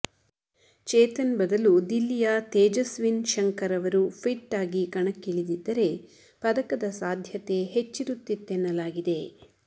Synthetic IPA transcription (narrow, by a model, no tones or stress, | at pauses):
t͡ʃɛːt̪ɐnbɐd̪ɐlud̪ilːijat̪ɛːd͡ʒɐsʋinʃɐŋkɐɾɐʋɐɾupʰiʈːaːɡikɐɳɐkːiɭid̪id̪ːɐɾe̞ | pɐd̪ɐkɐd̪ɐsaːd̪ʱjɐt̪e̞ɦet͡ʃːiɾut̪ːit̪ːɛnːɐlaːɡid̪e̞